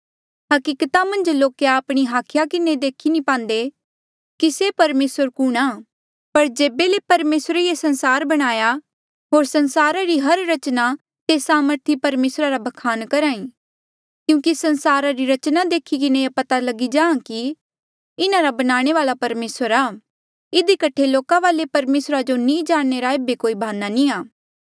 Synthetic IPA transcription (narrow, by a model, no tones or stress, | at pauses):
ɦɐkiːkt̪amɐ̃nd͡ʒloːkeaːpɽ̃iɦaːkʰjakɪned̪eːkʰinĩpãːnd̪e | kisepɐɾmeːsəɾkʊɽ̃aː | pɐɾd͡ʒeːbelepɐɾmeːsɾeijesɐ̃nsaːɾbɐɽ̃aːja | ɦoːɾsɐnsaːɾaɾiɦɐɾɾɐt͡ʃna | t̪esaːməɾt̪ʰipɐɾmeːsɾaɾabʱɐkʰaːnkɐɾaːĩ | kjũːkisɐ̃nsaːɾaɾiɾɐt͡ʃnad̪eːkʰikɪneepɐt̪alɐɡid͡ʒaːãki | ɪnãɾabɐnaːɽ̃eʋaːlapɐɾmeːsəɾaː | ɪd̪ikɐʈʰeloːkaʋaːlepɐɾmeːsɾad͡ʒonĩːd͡ʒaːnːeɾaeːbekoːibʱaːnːanĩaː